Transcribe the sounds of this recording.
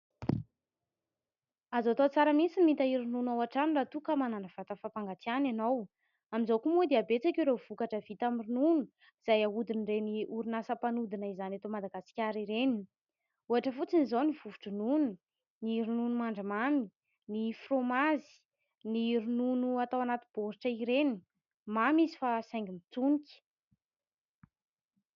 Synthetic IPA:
azat̪ot͡saɾəmisinːit̪aiɾinunawaʈ͡ʂanirat̪ukamananəv̥at̪əfapaŋɡat̪iananow | amizawkumud̪eabet͡sakʲuɾev̥ukaʈ͡ʂəv̥it̪amirinunu | iz̥ajaud̪inreniʔuɾinasəpanud̪inəizanat̪omad̪aɡasi̥kʲaɾiɾeni | uaʈ͡ʂəfut͡sinizawnivuvu̥ʈ͡ʂununu | niɾununumaɳɖ͡ʐamami | nifromazi̥ | niɾununuat̪awanat̪ib̥oɾiʈ͡ʂəiɾeni | mamizi̥fasajŋɡimit͡sunikʲi̥

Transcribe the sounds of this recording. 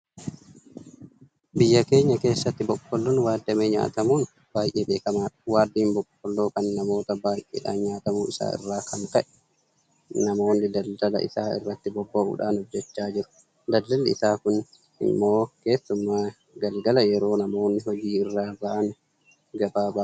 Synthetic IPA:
bɪjːɐkeːɲːɐkeːsːɐt̪ːɪbɔkːɔlːɔnwaːd̪ːɛmɛɲa̰ːt̪ɐmun | b̥aːjʔɛːbeːkɐmaːɗwaːd̪ːiːnbɔkːɔlːoːkɐnːɐmoːt̪ɐbaːjʔɛ̰ɗa̰ːɲaːt̪ɐmuːʔɪ̰sa̰ːɪ̰rːaːkʰɐŋkɐʔɛ̥ | nɐmoːnːɪd̪ɐldɐlɐ̰ʔɪ̰saːɪ̰rːɐt̪ːɪbɔbːaṵɗaːnɔd͡ʒɛt͡ʃːaːd͡ʒɪɾʊ̥ | d̪ɐlːɐlaɪ̰saːkʊn | ɪ̰mːoːkeːsːʊmːaː | ɡɐlɡɐlɐjɛɾoːnɐmoːnːɪhɔd͡ʒiːɪrːaːbaʔan | ɡɐbaːbaː

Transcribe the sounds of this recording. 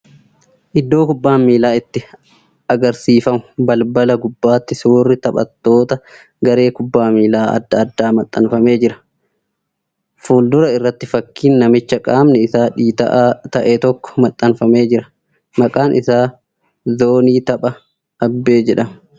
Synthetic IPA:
ʔɪd̪ːo̞ːkʊbːaːmːiːlaːɪt̪ːɪ | ʔɐɡɐɾsiːfɐmʊbɐlbɐlɐɡʊbːaːt̪ːɪsuːrːɪt̪ɐpɐ̰t̪ːo̞ːt̪ɐ | ɡɐɾe̞ːkʊbːaːmiːlaːɐ̰d̪ːɐɐd̪ːaːmɐt̪ʼːɐnfɐme̞ːd͡ʒɪɾɐ̥ | fuːld̪ʊɾɐɪrːɐt̪ːɪfɐkʰːiːnːɐmɪt͡ʃːɐkʼaːmnɛɪsaːᶑiːt̪ɐ̰ʔat̪ɐʔet̪ɔkːɔ̥mɐt̪ʼːɐnfɐme̞ːd͡ʒɪɾɐ | mɐkʼaːnʔɪsaː | zoːniːt̪ɐpʼɐ | ɐbːe̞ːd͡ʒɛᶑɐmɐ

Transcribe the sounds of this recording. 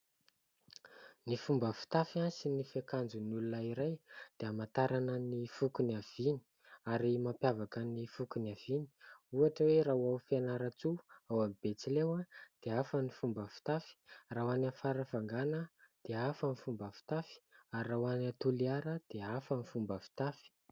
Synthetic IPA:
nifumbəfu̥t̪afansinifekand͡zunulunəiɾajd̪̥eamat̪aɾanənifukuniav̥ini̥ | aɾimapjavakənifukunav̥ini̥uaʈ͡ʂəweɾawawfanaɾat͡suawamib̥et͡silewad̪̥eafənifumbəfi̥t̪afi̥rawanafaɾəfaŋɡanəd̪̥eafənifumbəfi̥t̪afi̥aɾrawanat̪uliaɾəd̪̥eafənifumbəfi̥t̪afi̥

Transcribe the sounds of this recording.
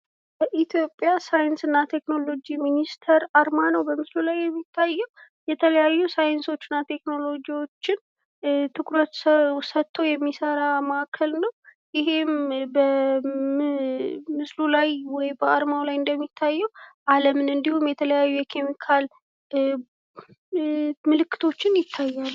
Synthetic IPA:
b̥əʔit̪ʰjo̞pʼːjasajɪnsɨnːat̪ʰe̞kno̞lo̞d͡ʒiminist̪ʰəɾaɾmanəwbəmɨslulajːɛmːit̪ʰːajːɛw | jɛt̪ʰələjajːusajɨnso̞t͡ʃːɨnːat̪ʰe̞kno̞lo̞d͡ʒiwo̞t͡ʃːɪn | t̪ʰɨkɾət̪səsət̪ʰːojɛmːisəɾaməakʰəlnəw | jɪɦe̞mbə | mɨslulajwɔjbəaɾmawlajɨnd̪əmːit̪ʰːajːɛwʔaləmɨnɨnd̪ihumjɛt̪ʰələjajːujɛkʰe̞mikʰal | mɨlɨkːɨ̥t̪ʰo̞t͡ʃːɪnjɪt̪ʰːajːalː

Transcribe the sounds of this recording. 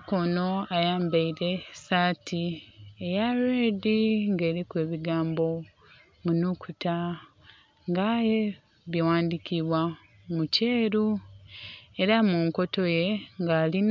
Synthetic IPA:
kono̞ajaːmbaiɾe̞saːtʰiejaɾediŋɡe̞ːɾikwe̞ːβiɡaːmbo̞ | munukuta | ŋɡaje | βiwaːndikiβwa | muceːɾu | e̞ɾamuːŋko̞to̞je̞ŋɡaːlin

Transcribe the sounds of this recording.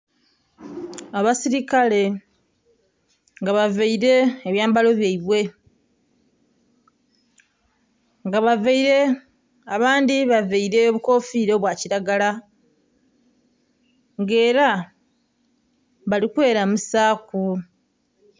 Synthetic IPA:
aβasiɾikale̞ | ŋɡaβaveiɾe̞ːβjaːmbalo̞βjaiβwe̞ | ŋɡaβaveiɾe̞ | aβaːndiβaveiɾe̞oβuko̞ːfiɾo̞βwaːciɾaɡala | ŋɡe̞ːɾa | βalikwe̞ːɾamusaːku

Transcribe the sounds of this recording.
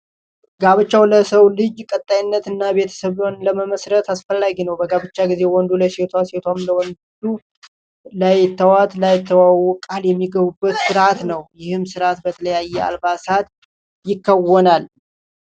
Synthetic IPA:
ɡaβɨt͡ʃːawləsəwlɨd͡ʒkʼət̪ʼːajɪnːət̪ɨnːaβe̞t̪ʰə̥səβonləməməsɾət̪asfəlːaɡinəwbəɡaβɨt͡ʃːaɡize̞wɔnd̪uləset̪ʰwaset̪ʰwamləwɔndd̪u | lajt̪ʰːəwat̪lajt̪ʰːəwawɔkʼaljɛmːiɡəβubːət̪sɨɾat̪nəwjɪhɨmsɨɾat̪bət̪ʰələjajːɛa̰lbasat̪ | jɪkːəwɔnal

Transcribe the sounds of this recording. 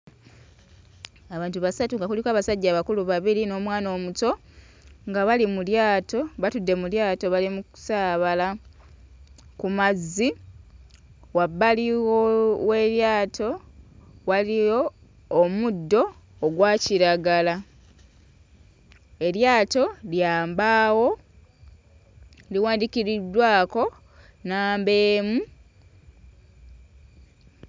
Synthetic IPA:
aβaːntuβasatuŋɡakulikaːβasaɟːaːβakuluβaβiɾino̞ːmwaːno̞ːmuto̞ | ŋɡaβalimuljaːto̞βatudːe̞muljaːto̞βalimuku̥saːβala | kumazːi | wabːaliwowe̞ɾjaːtʰo̞ | walijo̞ː | mudːo̞ː | ɡwaːciɾaɡala | e̞ɾjaːto̞ljaːmbaːwo̞ | liwaːndiciɾidwaːko̞ | naːmbe̞ːmu

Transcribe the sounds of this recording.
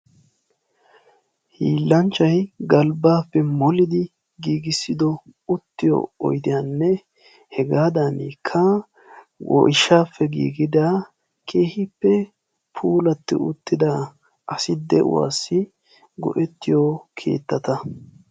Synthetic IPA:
hiːlːɐnt͡ʃːɐjɡɐlbaːpːɛmɔlɪd̪ɪ | ɡiːɡɪsːɪd̪ɔʊt̪ːɪjɔ̰ɔ̰jd̪ɪjanːɛ | hɛɡaːd̪ɐnikʰːɐ | wɔ̰ʔɪʃaːfːɛɡḭːɡɪd̪aː | kʰeːhɪpːɛ | pʰuːlɐt̪ːɪ̰ʊt̪ːɪd̪a | ʔɐsɪd̪ɛʔʊ̰wa̰ːsːɪ | ɡɔ̰ʔɛt̪ːɪjɔkʰḛːt̪ːɐt̪ɐ

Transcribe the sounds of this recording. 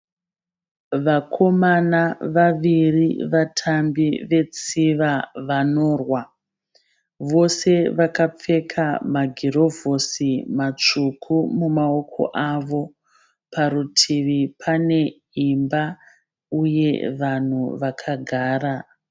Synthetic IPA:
ʋakʰo̞manaʋaʋiriʋatʰambiʋe̞t͡siʋaʋano̞ːrwa | ʋo̞se̞ʋakap͡fe̞kʰamaɡʱiro̞vosimat͡ʂukʰumumao̞kʰo̞̰ʔaʋo̞ | pʰaɾutʰiʋipʰane̞ | imba | uje̞ʋan̤uʋakʰaɡʱaːɾa

